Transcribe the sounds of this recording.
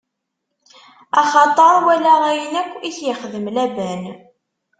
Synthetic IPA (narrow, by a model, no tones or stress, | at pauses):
ɑχɑt̪ˤəɾˤwælæʁæjənækʷːiθjəχðəmlæbæn